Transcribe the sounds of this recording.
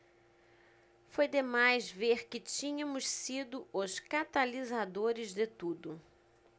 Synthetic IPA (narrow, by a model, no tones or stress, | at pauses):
fojd̪emajzveɾkɪt͡ʃĩɲɐ̃mʊssid̪ʊʊskat̪alizad̪oɾɪzd̪ɪt̪ud̪ʊ